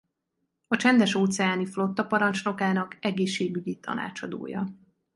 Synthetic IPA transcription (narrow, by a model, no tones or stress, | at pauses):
ɒt͡ʃɛnd̪ɛʃoːt̪sɛjaːniflo̞t̪ːɒpɒɾɒnt͡ʃno̞kaːnɒkɛɡeːʃːeːɡyɟit̪ʰɒ̰na̰ːt͡ʃɒd̪o̰ːjɒ̰